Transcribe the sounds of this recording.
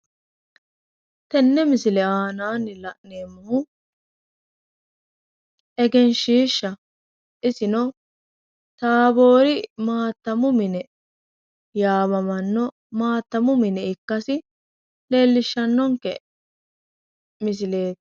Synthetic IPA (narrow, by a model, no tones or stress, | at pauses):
t̪ɛnːɛmɪsɪlɛaːnaːnːɪlɐʔneːmːɐhʊ | ɛɡɛnʃiːʃːɐ | ʔɪsɪnɔ | t̪aːbo̞ːɾɪmaːt̪ːɐmʊmɪnɛ | jaːbɐmɐnːɔ | maːt̪ːɐmʊmɪnɛɪkːɐsɪ | le̞ːlːɪʃːɐnːɔŋkɛ | mɪs̬ɪle̞ːt̪